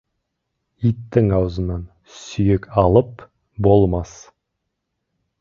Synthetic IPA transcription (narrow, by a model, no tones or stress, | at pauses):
it̪ːɪŋɑwzənɑn | sʏjɪkʲɑlˠəp | bo̞lˠmɑs